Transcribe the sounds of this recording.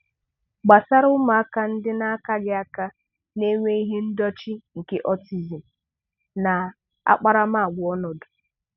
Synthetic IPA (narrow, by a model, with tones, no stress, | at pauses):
ɡ͡ba˨sa˦ɾʊ˦ma˨a˦ka˦n̩˦dɪ˦na˦a˦ka˦ɡɪ˦a˦ka˦ | ne˦ŋʷe˦i˦ɦe˦n̩˦dɔ˦t͡ʃi˦ŋ̩˨ke˦ʔɔ˦ti˨zi˨m̩˨ | na˨ | a̰˦k͡pa˦ɾa˦ma˦a˨ɡʷʊ˨ɔ˦nɔ˨dʊ̥˨